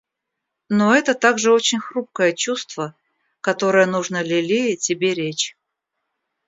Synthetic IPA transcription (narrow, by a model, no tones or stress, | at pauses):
no̞ɛt̪ət̪aɡʐɨo̞t͡ɕɪnʲxɾup̚kəjət͡ɕust̪və | kɐt̪o̞ɾəjənuʐnəlʲɪlʲejətʲɪbʲeɾʲet͡ɕ